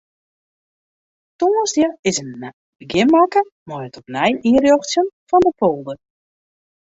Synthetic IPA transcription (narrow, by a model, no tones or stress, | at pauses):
toːənsdjəɪsən | bəɡɪmakəmaətʰɔpnɛjiərjoxtsjənfɔndəpʰolˠdə